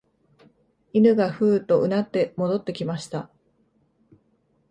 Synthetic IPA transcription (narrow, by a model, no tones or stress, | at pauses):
inɯ̟ɡaɸɯ̟ːt̪o̞ʔɯ̟nat̪ːe̞mo̞d̪o̞t̪ːe̞kʲimaɕi̥t̪a